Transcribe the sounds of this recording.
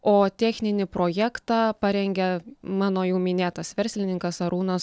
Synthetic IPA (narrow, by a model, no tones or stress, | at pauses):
oːt̪ʲæːxʲnʲɪnʲɪpɾoːjæːkt̪ɑːpɐɾʲɛŋʲɡʲɛmɑːnoːjɛʊmʲɪnʲeːt̪ɐsʋʲɛɾʲsʲlʲɪnʲɪŋkɐsɐɾuːnɐs